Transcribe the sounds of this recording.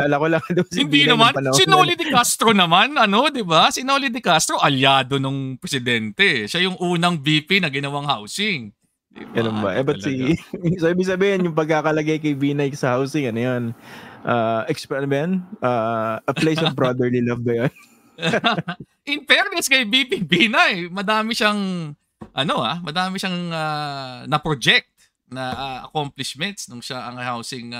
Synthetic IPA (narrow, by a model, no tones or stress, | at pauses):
laːlɐkolɐŋd̪ɪbasɪnd̪inɐmanɐnɐsɪnolɪd̪ɪkast̪ɾo̞nɐmanʔɐno̞d̪ɪbasɪnolɪd̪ɪkast̪ɾo̞ʔɐljaːd̪o̞noŋpɾɛsɪd̪ɛnt̪ɛʃajʊŋʔuːnɐŋbiːpinɐɡɪnɐwaŋhawsɪŋ | ɡɐnonbɐ̰ʔɛbɐsisoʔiːbɪɡsɐbiːhɪnjʊŋpɐɡ̚kaːkɐlɐɡajkɐjbiːnɐjsɐhawsɪŋɐnojonʔaːʔɛkspɐnbɛjanʔaːʔɐplejonbɹod̪ɛɹlilɐvbɐjon | ʔɪnpɛɾnɛskɐjbiːpibiːnɐjmɐd̪aːmɪʃɐŋ | ʔɐno̞hamɐd̪aːmɪʃɐŋanɐpɾod͡ʒɛk̚t̪̚ | nɐʔaɐ̰komplɪʃmɛnt̪snʊŋʃaʔɐŋhawsɪŋ